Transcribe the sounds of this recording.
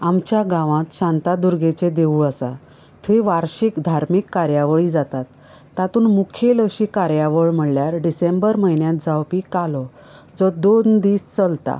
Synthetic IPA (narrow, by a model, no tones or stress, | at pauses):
amt͡ɕjaɡãʋãt̪ɕãnt̪ad̪uɾɡet͡ɕed̪euːəsa̰ | t̪ʰʋiʋaɾɕikd̪ʱaɾmikːaɾjaʋəɭiːd͡zat̪at̪ː | at̪uːnmukʰeləɕiːkaɾjaʋəɭm̤əɽljaɾɖisembəɾməjnjãt̪̚d͡zawpikalɔ | d͡zɔd̪ond̪iːst͡səlt̪a̰